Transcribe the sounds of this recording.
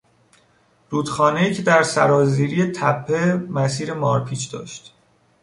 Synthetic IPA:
ɾuːd̪̥xɒːneiːcʰed̪æɾsæɾɒːziːɾiːje̞t̪ʰæpʰːemæsiːɾe̞mɒːɾpʰiːt͡ʃʰd̪ɒ̰ːʃt̪

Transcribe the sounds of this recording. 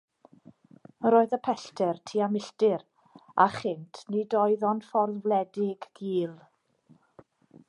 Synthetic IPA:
ɾoːɨðəpʰɛɬtʰɛrtʰiːamɪɬtɪɾ | aχɪntʰnidɔɨðɔnfɔrðvlˠɛdɪɡ̥ɡiːlˠ

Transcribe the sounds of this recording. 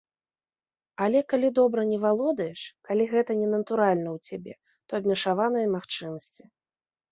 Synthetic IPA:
alʲɛkalʲid̪ɔbɾɐnʲɛvalˠɔd̪ɐjɛʂkalʲiɣɛt̪ɐnʲɛnɐt̪uɾalʲnɐwt͡sʲabʲɛ̰ | t̪ɔɐbʲmʲɛʂavanɨjɐmaxt͡ʂɨmɐsʲt͡sʲi

